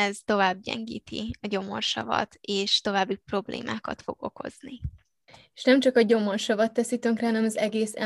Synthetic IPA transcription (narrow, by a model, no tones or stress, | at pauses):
ɛzt̪o̞vaːb̚ɟɛ̰ŋɡiːt̪iɒɟo̞morʃɒvɒ̰t̪eːʃt̪o̞vaːbːipro̞blḛːmʔaːkɒt̪foɡ̥o̞ko̞zni | eʃnɛmt͡ʃɒkɒɟo̞morʃɒvɒt̪ːɛsit̪øŋkrɾɛɦɒnɛmɒzɛɡeːsɛ̰